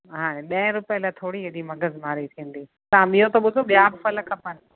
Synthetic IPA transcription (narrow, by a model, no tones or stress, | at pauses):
ɦaːɽ̃ẽɗɐ̃ɪ̃ɾʊpiəlaːt̪ʰoːɽiɦɐɗimɐɡəzmaːɾit̪ʰĩːə̃nd̪iː | t̪ɐãmiɦot̪oɓʊd̪ʱoɓijaːbfɐləkɐpənɪ